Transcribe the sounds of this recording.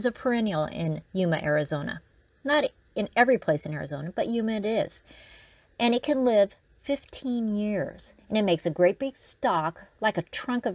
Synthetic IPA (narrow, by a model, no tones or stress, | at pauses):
zɨpʰə˞ɛ̃nil̩ˠɪ̰̃njʉmɨ̰ʔɛɹɨzõʊ̃nɨ̰ | nəɾ | ɨ̃nɛvɹipʰl̥eɪsɨ̃nɛɹɨ̰zõʊ̃nɨb̥ʌʔjʉmɨɨɾɪz̥ | ʔɨ̃nɨt̚kʰɨ̃nlɪv̥ | fɪftʰĩnjɪɹz̥ɨ̃nɨt̚meɪksɨɡɹeɪt̚b̥ɪɡ̥stɑklaɪkɨtʰɹ̥ʌ̃ŋkʌv